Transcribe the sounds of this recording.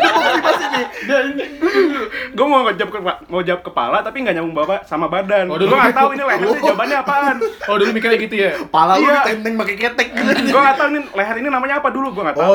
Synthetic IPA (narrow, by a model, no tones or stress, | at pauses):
baimasiadaini | ɡuamaad͡ʒap̚kəamaud͡ʒawap̚kəpa̰lat̪apiŋɡaʔɲamuŋbawasamabadanɡɡuaŋaat̪auinileh̪at̪id͡ʒabat̪ɲaːpanɔdolumikarjaɡit̪ujapalajaɛnt̪ɛŋbakekɛt̪ɛk̚ːədɡuaŋɡat̪aunileɦat̪ininamaɲaːpaduluɡuaŋaʔt̪a